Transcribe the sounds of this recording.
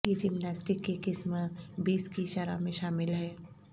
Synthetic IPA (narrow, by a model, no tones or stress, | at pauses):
id͡ʒimnaːsʈikːekɪsmbiːskiʃaɾa̰mẽʃaːmɪlɦɛː